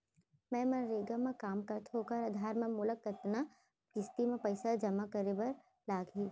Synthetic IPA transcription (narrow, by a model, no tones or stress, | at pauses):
mɛ̃ːmɐ̃ɾeːɡamẽkaːmkəɾt̪ʰɦoːkəɾɐd̪ʱaːɾmẽmʊləkːət̪na | kɪst̪imẽpɐɪsad͡ʒɐmakəɾebɐɾ | laːɡɦiː